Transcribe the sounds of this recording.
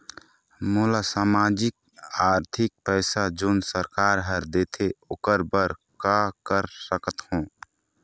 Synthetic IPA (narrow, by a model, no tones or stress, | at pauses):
mʊlasaːmaːd͡ʒɪk̚aːɾt̪ʰɪk̚pɛːsad͡ʒoːnsəɾkaːɾɦəɾd̪eːt̪ʰeʊkəɾbəɾ | kakəɾsəkət̪hõː